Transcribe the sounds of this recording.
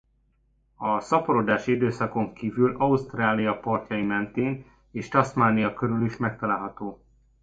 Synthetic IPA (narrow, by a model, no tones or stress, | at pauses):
ɒsɒpoɾod̪aːʃiid̪øːsɒko̞ŋkiːvylɒust̪raːlijɒpɒrcɒjimɛnt̪eːn | eːʃt̪ɒsmaːnijɒkøɾyliʃmɛk̚t̪ɒlaːlɦɒt̪oː